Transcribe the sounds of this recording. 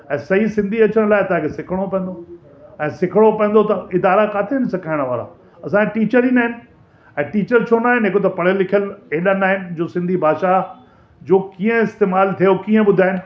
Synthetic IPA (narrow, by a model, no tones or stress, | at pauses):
ɛ̃ːsɐɦisɪ̃nd̪ʱiɐt͡ɕəɽ̃laːɪt̪ɐãkʰesɪkʰəɽ̃opɐ̃ə̃n̆d̪o | ɛ̃ːsɪkʰəɽ̃opɐ̃ə̃nd̪ot̪ɐɪd̪aːɾakaːt̪ʰenɪsɐkʰaːɪɽ̃ʋa̰ːɾa̰ | ɐsãːkʰeʈiːt͡ɕəɾiːnaːɦɪnɪ̆ | ɛ̃ːʈiːt͡ɕəɾt͡ɕʰoːnaːɦɪnɪɦekot̪ɐpɐɽ̤əlɪkʰijəleɗanaːɦɪnɪ̆d͡ʑoːsɪ̃nd̪ʱibʱaːʃa | d͡ʑoːkiːə̃ɪst̪eːmaːlt̪ʰijokiːə̃ɓʊd̪ʱaːɦɪnɪ̆